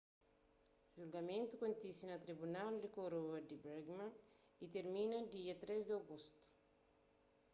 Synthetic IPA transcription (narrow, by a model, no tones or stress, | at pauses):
ʒulɡɐmẽnt̪ukõnt̪isinɐt̪ɾibunald̪ikoɾoɐd̪ibɛɾɡmã | it̪eɾminɐd̪iɐt̪ɾezd̪awɡust̪u̥